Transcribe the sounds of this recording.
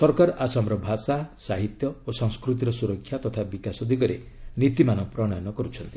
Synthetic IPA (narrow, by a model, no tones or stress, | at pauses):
sɔɾkaɾɔʔasɔmɾɔbʱasasaɦit̪jɔosɔŋskɾut̪̬iɾɔsuɾɔkʰːjat̪ɔt̪ʰabikasɔd̪ikɔɾḛ | nit̪imanɔpɾɔɽ̃ɔjɔnɔkɔɾut͡ʃʰɔnt̪i̥